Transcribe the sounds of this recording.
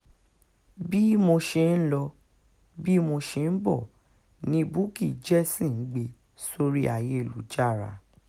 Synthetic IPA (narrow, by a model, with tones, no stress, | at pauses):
bi˦mo˧ʃe˧n̩˦lɔ˧ | bi˦mo˧ʃe˧n̩˦bɔ˦˨ | nĩ˧bu˦ki˦˨d͡ʒɛ˦sĩ˦˨n̩˦ɡ͡be˧ | so˧ɾi˦a̰˦˨je˦˨lu˨˦d͡ʒa˦˨ɾa̰˨˦